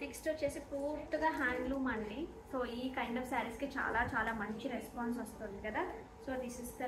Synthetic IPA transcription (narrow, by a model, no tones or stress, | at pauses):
ʈiksʈoːɾt͡ʃeːsipuːɾt̪uɡaːɦaːɳɖluːmɐɳːi | soːiːkɐɪɳɖɔːfsaːɾisket͡ʃa̰ːlaːt͡ʃaːlaːmɐɲt͡ʃiɾespaːns̬ɐst̪und̪ikɐd̪aː | soːd̪isisd̪ɐ